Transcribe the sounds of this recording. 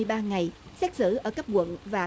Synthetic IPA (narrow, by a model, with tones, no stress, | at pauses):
əjɓaː˧ŋa˨˩jsɛ˦˥t̚sɨ̰˧˩ʔəː˧˩ka˦˥p̚kwə̰˧˨nvaː˨˩